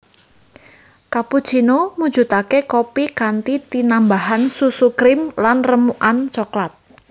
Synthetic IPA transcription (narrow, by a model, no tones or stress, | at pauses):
kapu̥t͡ʃinomud̥d͡ʒ̥ṳt̪akekopikant̪it̪inambaɦansusukɾɪmlanrəmuʔant͡ʃoklat̪̚